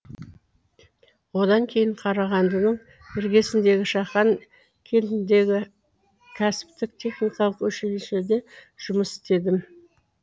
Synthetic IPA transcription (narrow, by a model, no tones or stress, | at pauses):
wo̞d̪ɑŋkʲʰe̞jɪɴqʰɑɾɑʁɑnd̪ənəɴ | ɪɾɡʲesɪnd̪e̞ɡʲɪʃɑχɑŋ | kʲʰe̞nt̪ɪnd̪e̞ɡʲɪ | kʲʰæsɪ̥pt̪ɪk̚t̪ʲʰe̞χnijkɑlˠəqwɵʃeleʃed̪e̞ʒ̥ʊməsɪ̥st̪e̞d̪ɪm